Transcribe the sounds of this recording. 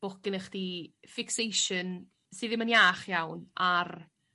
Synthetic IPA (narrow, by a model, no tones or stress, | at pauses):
b̥ɔkɪnəχd̥ifɪksejʃən | sɨːðɪmənjaːχjawnar